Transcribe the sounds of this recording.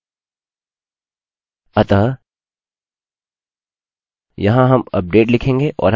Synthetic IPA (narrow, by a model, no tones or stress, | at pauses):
ɐt̪a | jɐɦãɦɐmɐ̰p̚ɖeːʈlɪkʰẽːŋɡeʔɔ̰ːɾɦ